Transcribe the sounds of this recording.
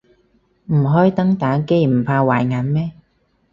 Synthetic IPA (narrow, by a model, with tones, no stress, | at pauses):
m̩˨˩ɦɔː˥jt̪ɐ˥ŋt̪aː˨˥ke˥jm̩˨˩pʰaː˧waː˨˩jŋaː˨˥nmɛː˦˥